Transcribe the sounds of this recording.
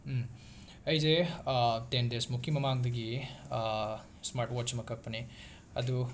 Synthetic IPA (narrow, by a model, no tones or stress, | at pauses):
ɐjd͡ʒe | t̪end̪esmukʰːimɐmaːŋɡd̪ɐɡi | smaːɾʈoːt͡ʃɐmɐkɐk̚pɐne | ɐd̪u